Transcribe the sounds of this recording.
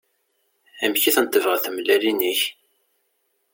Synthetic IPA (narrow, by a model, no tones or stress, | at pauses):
æmçiθənt̪ːəvʁaθəmlæliniç